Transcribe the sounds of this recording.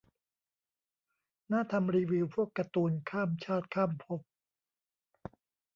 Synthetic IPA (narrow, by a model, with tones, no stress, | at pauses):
naː˥˩t̪ʰa˧mɾiː˧wi˧wpʰu˥˩əkːa˧t̪uː˧nkʰaː˥˩mt͡ɕʰaː˥˩t̪̚kʰaː˥˩mpʰo˦˥p̚